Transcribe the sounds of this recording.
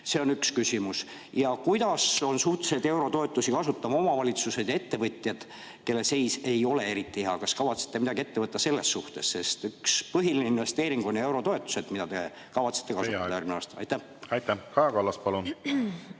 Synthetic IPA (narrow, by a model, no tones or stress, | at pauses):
se̞o̞nykskysʲimus | jɑkujd̪̥ɑso̞nsuht̪e̥se̞d̪ewɾo̞t̪o̞e̞t̪ˑːusikɑsut̪ːɑmo̞mɑvɑlʲit̪suse̞d̪̥jɑe̞t̪ːe̞vɤt̪ʲˑjɑd̪̥ | ke̞lːese̞jse̞jo̞le̞e̞ɾit̪ːˑiheɦɑkɑskɑvɑt̪se̥t̪ːeid̪ɑɡie̞t̪ːe̞vɤt̪ːɑse̞lːe̞sːuht̪e̞sːe̞st̪ykspɤɦilineinve̞st̪e̞ːɾiŋɡ̥o̞nʲje̞wɾo̞t̪o̞e̞t̪ːˑu̥se̞d̪̥mid̪ɑt̪e̞ | kɑvɑt̪se̥t̪ːˑe̞kɑsut̪ɑd̪æːɾminɑ̰st̪ɑ̰jt̪ːæh | ɑjt̪ːækɑjɑkɑlːɑspɑlun